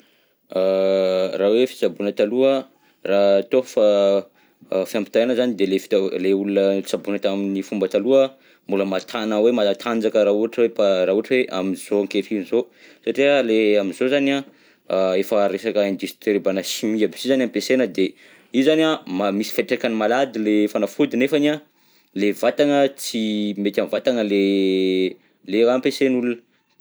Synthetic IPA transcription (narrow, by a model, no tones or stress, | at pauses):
a | rawefi̥t͡sabunət̪aluə | rat̪ofa | fiampi̥t̪anəzanid̪elefi̥leulunət͡sabunət̪aminifumbət̪aluə | muləmat̪ʰanawemat̪ʰand͡zakəɾauaʈ͡ʂweparauaʈ͡ʂweʔamiz̥oŋketinizosaʈ͡ʂiəleamizozania | efəɾesakəẽnd͡ʒ̪isi̥t̪eɾebanəsimiabi̥sizanampesenəd̪e | izaniamamisi̥feʈ͡ʂekanimalad̪ilefanafud̪inefana | levat̪anət͡simet̪ʲamvat̪anəle | leɾampesenulunə̥